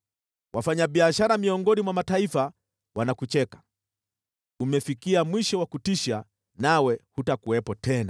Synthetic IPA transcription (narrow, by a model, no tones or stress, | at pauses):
wʔafaɲaɓiaʃaɾamiɔŋɡɔnimwamataifa | wanakut͡ʃɛkḁ | umɛfikiamwiʃɔwakutiʃa | nawɛhutakuwɛpɔtɛna